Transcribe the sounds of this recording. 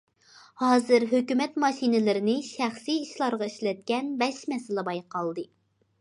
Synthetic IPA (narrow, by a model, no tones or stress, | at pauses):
hɑːzɨɾɦøkʲymɛt̪mɑʃinɪlɪɾɪnɪʃæχsiːʃlˠɑɾʁɑiʃlɛt̪̚kʲɛnbɛʃmɛsɪlɪbɑjqɑlˠd̪ɨ